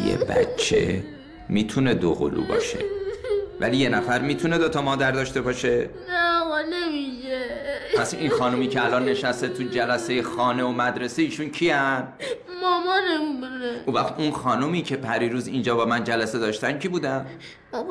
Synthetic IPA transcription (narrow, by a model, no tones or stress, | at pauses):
jḛbæ̰t͡ʃʰːe̞̰ | miːt̪ʰune̞d̪o̰ɣo̰lṵːbɒ̰ːʃe̞ | væ̰lije̞næfæɾmiːt̪ʰune̞d̪o̞t̪ʰɒmɒːd̪æɾd̪ɒːʃt̪e̞bɒːʃe̞næɣɔnemiʃepʰæsḭnxɒːnumiːcʰeælɒnːe̞ʃæst̪et̪ʰud͡ʒælæse̞je̞xɒːne̞omæd̪ɾe̞seiːʃuncʰiæn | mɒmɒnemibuneʔũːvæxt̪unxɒːnumiːcʰe̞pʰæɾiːɾuːzind͡ʒɒːbɒːmænd͡ʒælæse̞d̪ɒːʃt̪æncʰibuːd̪æn